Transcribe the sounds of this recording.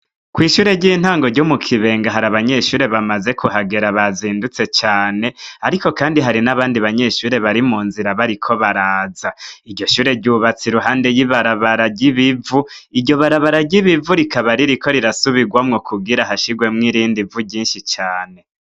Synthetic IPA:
kwiːʃuːɾe̞ɟiːn̥haːŋɡo̞ɾɟumukʰiβe̞ːŋɡaɦaɾaβaɲe̞ʃuːɾe̞βamaze̞kʰuɦaɡeɾaβaziːndut͡se̞t͡ʃaːne̞aɾiko̞kaːndiɦaɾinaβaːndiβaɲe̞ʃuːɾe̞βaɾimuːnziɾaβaɾikʰo̞βaɾaːzaiɾɟo̞ʃuːɾe̞ɟuβat͡siɾuɦaːnde̞jiβaɾaβaɾaɟiβivuiɟo̞βaɾaβaɾaɟiβivuɾikaβaɾiɾikʰo̞ɾiɾasuβiɡwamŋokʰuɡiɾahaʃiɡwe̞mŋiɾiːndivuɟiːnʃit͡ʃaːne̞

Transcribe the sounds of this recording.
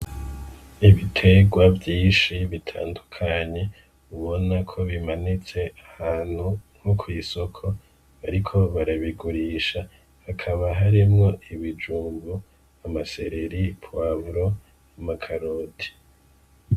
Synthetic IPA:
iβitʰe̞ɡwavjiːnʃiβitʰa̰ːndukʰaɲe̞ | uβo̞nakʰo̞βimanit͡se̞ahaːn̥huŋ̥hukʰoisokʰo̞ | βaɾikʰo̞βaɾaβiɡuɾiːʃa | hakʰaβaɦaɾimŋo̞ʔiβid͡ʒuːŋɡu | amase̞̰ɾe̞ɾipwaβɾo̞ | amakʰaɾoti̥

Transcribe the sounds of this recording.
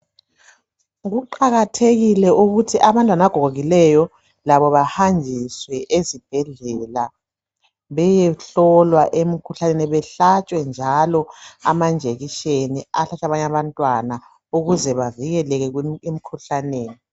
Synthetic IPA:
ɣuǃaɣatʰeɣilɛʔuɣutʰiʔaβantʼwanaaɡ̥ʱɔɣʱoɣilɛjɔ | laβɔβahand͡ʒʱiswɛʔezib̥ʱɛɮɛla | βɛjɛɬɔlwaʔemikʰuɬaneniβɛɬat͡ʃʼwɛnd͡ʒʱalɔamand͡ʒʱeɣiʃeniaɬat͡ʃʼaβaɲaβantʼwana | uɣuzɛβaviɣɛlɛɣɛɣim̩kʰuɬaneːni

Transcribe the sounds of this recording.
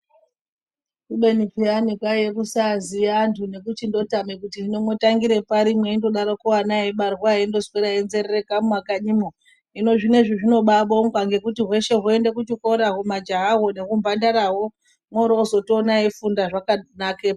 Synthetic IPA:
kuɓe̞nipianikwajekusaziantʰune̞kut͡ʃindo̞tamekutiinomwotaŋɡiɾe̞paɾimwe̞indo̞ɗaɾokuwanaiɓarɣwaendo̞zweɾaenze̞rerekaumwakaɲimo | ino̞ʐine̞ʐiʐino̞ɓaɓo̞ŋɡwaŋɡe̞kutiɦwe̞ʃe̞ɦoe̞ndek̬ut͡ʃiko̞ɾaɦumad͡ʒaɦaɦo̞ne̞kumbandaɾaɦo̞ | mwoɾozo̞toːnaifundaʐakanakeːpa

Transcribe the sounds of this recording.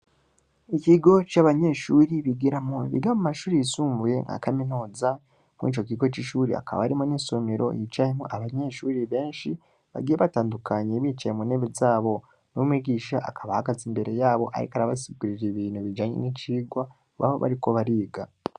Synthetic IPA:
ikiɡo̞t͡ʃaβaɲe̞ːʃuːɾiβiɡiɾamoḭβḭɡamumaʃuːɾijisuːɱvuje̞̰ŋa̰kaminuːza | mḭːt͡ʃo̞kiɡo̞t͡ʃiʃuːɾḭa̰kaβa̰aɾimonisomeɾo̞̰jit͡ʃajemoʔaβaɲe̞ʃuːɾiβe̞ːnʃi | βa̰ɡijeβataːndukʰaɲeβit͡ʃajemune̞βezaːβo̞ | nuumiɡiːʃaʔakʰaβahaɡazimbe̞ɾe̞jaːβo̞ʔa̰ɾḭkaɾaβasib̚ɡuɾiɾeβiːnhuβid͡ʒaːɲḛnit͡ʃiːɡwa | βa̰βo̰βa̰ɾiko̞βaɾiːɡa

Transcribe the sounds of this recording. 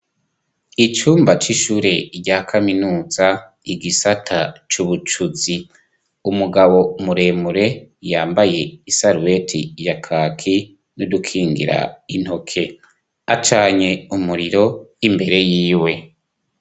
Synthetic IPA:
it͡ʃuːmbat͡ʃiʃuɾe̞iɾɟaːkʰaminuːza | iɡisatʰat͡ʃuβut͡ʃuzi | umuɡaβo̞muɾe̞ːmuɾe̞jaːmbaje̞isaɾuwe̞tʰijakʰaːkʰi | nudukʰiːŋɡḭɾa̰in̥ho̞kʰe̞ | at͡ʃaːɲe̞umuɾiɾo̞imbe̞ɾe̞jiːwe̞

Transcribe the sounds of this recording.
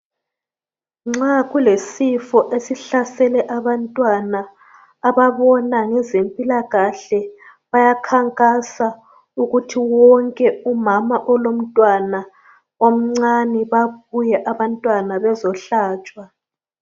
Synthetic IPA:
ŋ͡ǀaɣulesifɔʔesiɬasɛlɛʔaβantʼwanaː | βaβɔnaŋɛzempʼilaɣaɬɛ | βajakʰaŋkʼasa | uɣutʰiwɔŋkʼɛumamaʔɔlom̩tʼwana | om̩ŋ͡ǀaniβaβujɛʔaβantʼwanaβɛzɔɬaːt͡ʃʼwa

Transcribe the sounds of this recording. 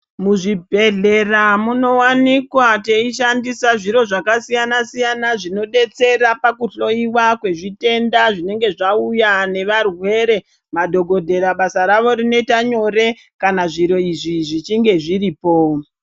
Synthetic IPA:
muʐibʱe̞ɮe̞ramuno̞wanikwate̞iʃandisaʐiɾo̞ʐakasijanasijanaʐino̞ɗe̞t͡se̞ɾapakuɬo̞iwakwe̞ʐite̞ndaʐine̞ŋɡe̞ʐaujane̞ʋarwe̞ːɾe̞ | madʱo̞ɡʱo̞dʱe̞ɾaɓasaɾaʋo̞ɾinoe̞itaɲo̞ɾe̞ | kanaʐiɾo̞iʐiʐit͡ʃiŋɡe̞ʐiɾiːpo̞

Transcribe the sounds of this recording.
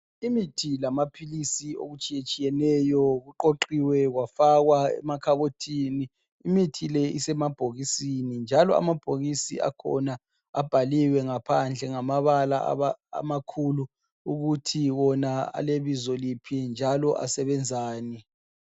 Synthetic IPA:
imitʰilamapʰilisio̰ɣut͡ʃʼijet͡ʃʼijɛnɛjɔɣuǃoǃiwɛɣwafaɣwaɛ̰makʰaβotʰiniː | mitʰilɛisɛmab̥ʱoɣisinind͡ʒʱalɔ̰a̰mab̥ʱoɣisḭa̰kʰɔ̰na | ab̥ʱaliwɛŋapʰand͡ɮʱɛŋamaβala̰βaa̰makʰulu | uɣutʰiɣɔnaa̰leβizɔlipʰind͡ʒʱalɔʔa̰sɛβɛnd͡zʱaːni

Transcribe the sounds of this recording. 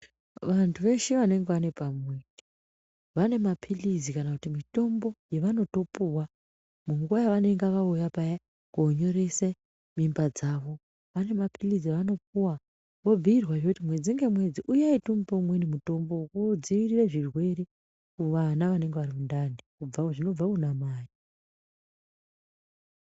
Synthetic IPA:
ʋantʰuʋe̞ʃeʋane̞ŋɡeʋane̞pamweni | ʋane̞mapʰilizikanakutimito̞mbo̞jeʋano̞to̞puwa | muŋɡuwajaʋane̞ŋɡaʋaujapaja | koɲo̞ɾe̞se | mimbad͡zaːʋo̞ | ʋane̞mapilizieʋano̞p̚uwa | ʋo̞b͡viirwaʐekutimwe̞d͡ziŋɡe̞mwe̞d͡ziʔujaitomupomwenimuto̞mbo̞kud͡ziʋirireʐirwe̞ɾe | kuʋanaʋane̞ŋɡeʋarimundanikub͡vaʐino̞b͡vakunamaːji

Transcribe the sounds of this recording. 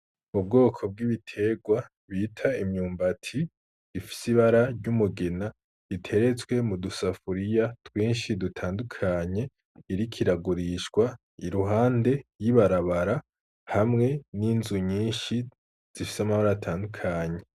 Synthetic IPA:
mub̚ɡo̞ːkʰo̞b̚ɡiβitʰe̞ɡwa | βiːtʰaimɲuːmbatʰi | ifi̥siβaɾaɾɟumuɡena | itʰe̞ɾe̞t͡swe̞mudusafuɾijatwiːnʃidutʰaːndukʰaɲe̞ | iɾikʰiɾaɡuɾiʃkwa | iɾuɦaːnde̞jiβaɾaβaɾa | hamŋe̞ninzuɲiːnʃi | z̥ifi̥samaβaɾaatʰaːndukʰaɲe̞

